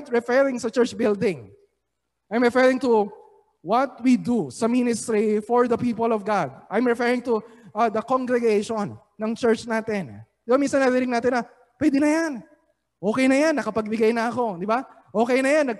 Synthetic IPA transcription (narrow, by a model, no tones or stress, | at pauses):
t̪̚ɹɛfɛɹɪ̃ŋsɐt͡ʃɛɹt͡ʃbɪld̪ɪ̃ŋ | ʔajmɹɛfɛɹɪŋt̪u | wɐt̪̚wid̪usɐminɪst̪ɾifɔɹðɐpiːpɔlɔvɡad̪̚ʔajmɹɛfɛɹɪŋt̪uʔɐd̪ɐkoŋɡɾɛɡejʃonːɐŋt͡ʃɛɹt͡ʃnaːt̪ɛnd̪̥ɪbaminsɐnːɐɾiinɪŋnaːt̪ɪnɐ | pwɛːd̪ɪnɐjan | ʔo̞ːkɛjnɐjanːɐkɐpɐɡ̚bɪɡajnɐɐko̞d̪ɪba | ʔo̞ːkɛjnɐjanːɐɡ̚